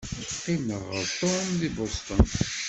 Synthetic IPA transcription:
qiməʁəɾt̪onðibost̪ən

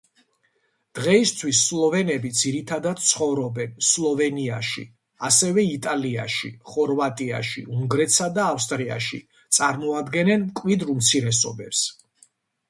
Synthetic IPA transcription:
d̪̥ʁɛist̪ʰwisːlˠɔvɛnɛbid̪ziɾit̪ʰad̪ad̪̚t̪sʰχɔvɾɔbɛnslˠɔvɛniaʃḭ | asɛvɛit̪ʼalia̰ʃḭχɔɾvat̪ʼia̰ʃḭuŋɡɾɛt̪ʰsad̪aːfst̪ʼɾia̰ʃḭ | t̪sʼaɾmɔad̪ɡɛnɛnmkʼvid̪ɾumt̪sʰiɾɛsɔ̰bɛps

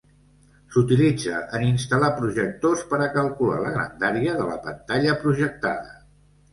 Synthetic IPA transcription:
sut̪ilid͡zə̰ʔəninst̪əlapɾuʒək̚t̪ospəɾəkəlˠkula̰lə̰ɣɾə̰nd̪aɾjəðələ̰pənt̪aʎəpɾuʒək̚t̪a̰ðə̰

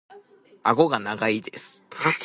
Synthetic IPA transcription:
aɡo̞ɡanaɡaid̪e̞sɨ̥

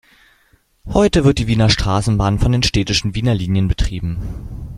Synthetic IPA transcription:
hɔʏtəvɪɐt̚d̥iːviːnɐʃtʁ̥aːsn̩baːnfɔndeːnʃtɛːtɪʃn̩viːnɐliːnjənbətʁ̥iːbm̩

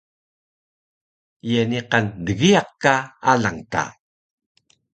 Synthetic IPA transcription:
jeniqandəɣiaq̚kaalaŋta̰

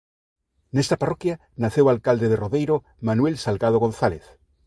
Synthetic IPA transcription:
nest̪aparokja | naθewalkald̪eðeroðejɾo | manwelsalɣað̞oɣon̟θaleθ

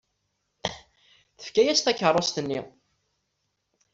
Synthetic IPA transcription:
θə̥fkæjæst̪æçərˤːost̪ənːi

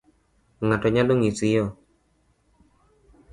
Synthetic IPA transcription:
ŋatɔɲaloŋisɪjɔ

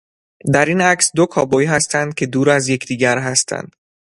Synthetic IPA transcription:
d̪æɾiːnæksd̪o̞kʰɒːbɒjiɦæst̪ʰænd̪̚kʲʰe̞d̪uːɾæzjecʰd̪iːɡæɾɦæst̪ʰæ̰nd̪̥

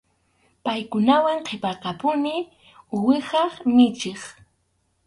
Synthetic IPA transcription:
pajkʊnawaŋqʰepɑɾqɑpʊnɪ | ʊwɪχɑχnɪt͡ʃeχ

